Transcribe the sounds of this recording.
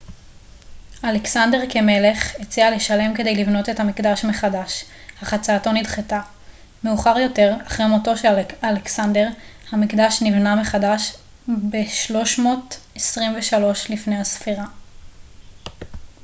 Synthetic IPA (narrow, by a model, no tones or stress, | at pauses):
aleksande̞ʁke̞me̞le̞χet͡siale̞ʃale̞mke̞de̞jlivno̞tethamikdaʃme̞χadaʃ | haχat͡saːto̞nidχeta | me̞uχaʁjo̞te̞ʁaχʁemoto̞ʃealeksande̞ʁhamikd̪aʃnivnameχadaʃ | be̞ʃlo̞ʃmo̞ːtesʁimveʃalo̞ʃlifne̞jhasfiʁa